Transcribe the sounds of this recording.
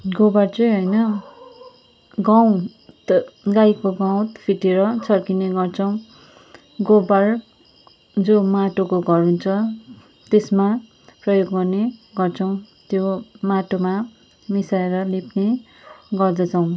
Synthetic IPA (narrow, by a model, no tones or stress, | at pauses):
ɡobart͡sʌjɦʌjnʌ | ɡaw̃ | t̪ɡajkoɡaw̃t̪pʰiʈeɾʌt͡sʰʌrkineɡʌrt͡sʰʌw̃ | ɡobar | d͡zomaʈokoɡʱʌrɦunt͡sʰʌ | t̪esma | prʌjoɡːʌrneɡʌrt͡sʰʌw̃ | t̪jomaʈoma | misaeɾʌlipne | ɡʌrd̪ʌt͡sʰʌw̃